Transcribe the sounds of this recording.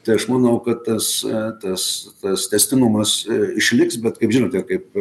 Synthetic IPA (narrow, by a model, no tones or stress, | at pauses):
t̪ɐɪɐʃmɐnɐʊkɐtt̪ɐst̪ɐst̪ɐst̪ʲɛsʲt̪ʲɪnʊmɐsɪʃʲlʲɪksbʲɛt̪kɐɪpʒʲɪnoːt̪ʲɛkɐɪp̚